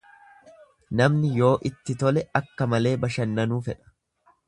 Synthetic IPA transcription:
nɐmnɪjo̞ːʔɪt̪ːɪt̪ɔlɛɐkːɐmɐle̞ːbɐʃɐnːɐnuːfɛᶑɐ̥

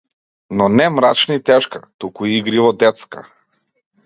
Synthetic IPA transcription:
nɔnɛmɾat͡ʃnit̪ɛʃkat̪ukuiiɡɾivɔd̪ɛt̪ska̰

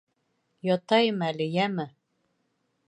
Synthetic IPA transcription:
jɒt̪ɑjɤmælɘjæmɘ

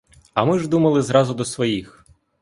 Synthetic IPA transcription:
ɐmɪʒd̪umɐlˠɪzɾɑzʊd̪ɔsʋɔjix

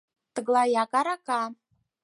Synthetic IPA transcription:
t̪ɨɡlˠajakʼaɾakʼa

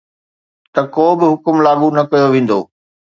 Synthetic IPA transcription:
t̪ɐkoːbɪɦʊkʊmlaːɡunɐkɐjoʋẽːn̆d̪o̰ː

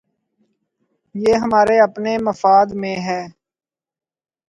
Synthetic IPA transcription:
jeːɦəmaːɾeəpneməfaːd̪mẽːɦɛː

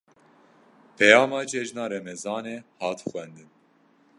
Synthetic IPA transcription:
pʰɛjɑːmɑːt͡ʃʰɛʒnɑːɾɛmɛzɑːneːhɑːt̪xʷɛnd̪ɨn

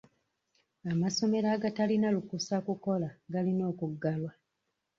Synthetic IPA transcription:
amaso̞me̞ɾaːɡatalinalukusakuko̞laɡalino̞ːkuɡːalwa

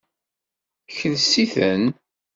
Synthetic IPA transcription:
çənsiθən

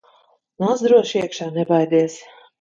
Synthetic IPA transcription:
nazd̪ɾuɔʃiɛkʃaːnɛbajd̪ʲiɛs

